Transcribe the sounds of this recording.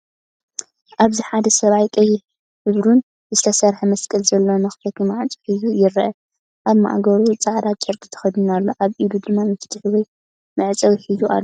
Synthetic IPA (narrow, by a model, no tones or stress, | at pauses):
ʔaβziħad̪ɐsɐβajkʼɐjɪ | hɨβɾun | zɨt̪ʰɐsɐɾħɐmɐskʼɨlzɐlːo̞nɨxɨt̪ʰɐt̪umɨʕt͡sʼi̥ħizujɪɾɐʔɐ | ʔaβma̰ʔɡɐɾut͡sʼaʕd̪at͡ʃʼɨɾk̪ʼɨt̪ʰɐ̥xɐd̪unalːo̞ʔaβʔid̪ud̪ɨmːamɨfɨ̥t̪ʰħwɔj | mɨʕt͡sʼɐwħizuʔa̰lːo